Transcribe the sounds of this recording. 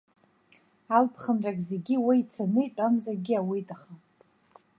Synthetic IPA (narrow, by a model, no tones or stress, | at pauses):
alpʰχənrakʲʼzeɡʲiwiit͡sʰanɨjtʼamzaɡʲiawitʼaχa